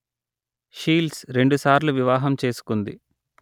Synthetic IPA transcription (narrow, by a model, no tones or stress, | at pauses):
ʃiːlsɾe̞ɳɖusaːɾluʋiʋaːɦɐmt͡ʃe̞ːsu̥kund̪ḭ